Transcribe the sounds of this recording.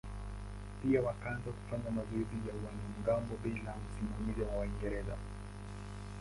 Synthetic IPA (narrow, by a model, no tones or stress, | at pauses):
piawakaanzaku̥faɲamazɔizijawanam̩ɡambɔɓilam̩simamizawawaiŋɡɛɾɛza̰